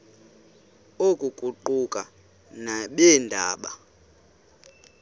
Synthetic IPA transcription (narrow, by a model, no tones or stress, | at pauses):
okʼuɡ̥ʱuǃukʼa | naɓɛndʱaːɓa̰